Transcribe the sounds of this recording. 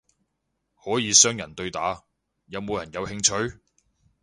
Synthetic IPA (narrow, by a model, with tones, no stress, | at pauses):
hɔː˨˥jiː˨˧sœː˥ŋjɐ˨˩nt̪ɵ˧ɥt̪aː˨˥ | jɐ˨˧wmo˨˧wjɐ˨˩njɐ˨˧whɪ˧ŋt͡ʃʰɵ˨˥ɥ